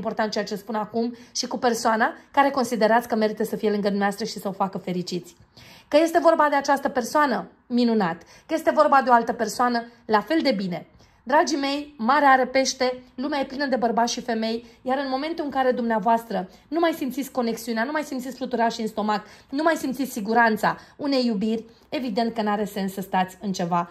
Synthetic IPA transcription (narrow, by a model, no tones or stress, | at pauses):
impo̞rt̪ant̪̚t͡ʃeat͡ʃe̞spunakumʃikupe̞rsoanakaɾe̞ko̞nsid̪e̞ɾat̪sʲkəme̞ɾit̪əsəfijelɨŋɡəd̪umneast̪ɾəʃisəofakəfe̞ɾit͡ʃit̪sʲ | kəje̞st̪e̞vo̞rbad̪e̞at͡ʃast̪əpe̞rsoanə | minunat̪ | kəje̞st̪evo̞rbad̪eo̞alt̪əpe̞rsoanəlafe̞ld̪e̞bine̞ | d̪ɾad͡ʒime̞jmaɾeaɾe̞pe̞ʃt̪e̞lumeaje̞plinəd̪e̞bərbat̪ʃife̞me̞jjaɾɨnmo̞me̞nt̪ulɨŋkaɾe̞d̪umneavoast̪ɾə | numajsimt̪sit̪sʲko̞ne̞ksiuneanumajsimt̪sit̪ʲflut̪uɾaʃiːnst̪o̞mat̪numajsimt̪sit̪ʲsiɡuɾant̪sa̰une̞jːubirʲ | e̞vid̪e̞nt̪̚kənaɾese̞nsːəst̪at̪sʲɨnt͡ʃe̞va